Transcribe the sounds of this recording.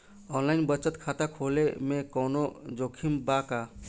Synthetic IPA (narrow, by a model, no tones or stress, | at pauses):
ɔnlaɪnbət͡ʃət̪kʰaːt̪akʰolemẽkɔnod͡ʒoːkʰimbaka